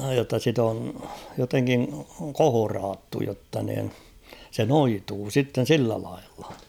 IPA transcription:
jotːɑ sit on joteŋkiŋ kohorɑːtːu jotːɑ niːn se noituː sitːen̞ silːæ lɑilːɑ̥

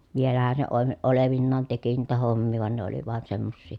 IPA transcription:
ʋielæhæn se oe oleʋinːɑːn teki niːtæ homːiː ʋɑˑen ne oli ʋɑˑen semːosːiˑ

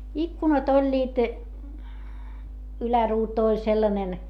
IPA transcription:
ikːunɑt olʲːiːt ylæruːtu olʲ selːɑnen

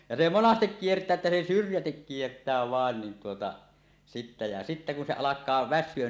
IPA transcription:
jɑ se monɑstek kiertˑæː etːæ se syrjætik kiertˑæː ʋɑˑen nin tuotɑ sitːæ jɑ sitːæ kun se ɑlɑkˑɑː ʋæsˑyøn

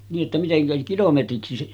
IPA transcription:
niːʔ ʔetːæ miteŋkæ kilometriksi

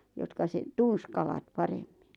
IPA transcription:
jotkɑ sen̥ tuns kɑlɑt pɑremːin̥

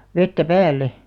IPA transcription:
ʋetːæ pæːlːe

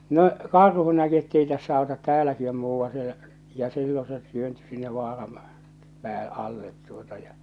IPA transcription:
no kɑrhu næki etːei tæsːæ ɑˑotɑt tæːlæki om muːʋːɑ̃ː sielæ̆ jɑ silːo se tyønty sinːe ʋɑːrɑm pæː ɑlːet tuotɑ jɑ

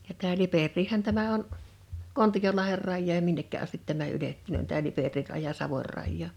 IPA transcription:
jɑ tæː liperːiːhæn tæmæ on kontijolɑher rɑjːɑːj jɑ minːekːæ ɑstit tæmæ yletːunøˑn tæː liperir rɑjɑ sɑʋor rɑjːɑː

